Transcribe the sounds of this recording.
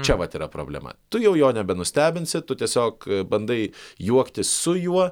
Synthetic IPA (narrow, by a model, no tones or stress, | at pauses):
t͡ʃʲɛʋɐt̪iːɾɐpɾo̰ːbʲlʲɛ̰mɐ̰t̪ʊjɛʊjoːnʲɛbʲɛnʊsʲt̪ʲæːbʲɪnʲsʲɪt̪ʊt̪ʲiɛsʲoːkbɐnd̪ɐɪjuɔkt̪ʲɪsʊjuɔ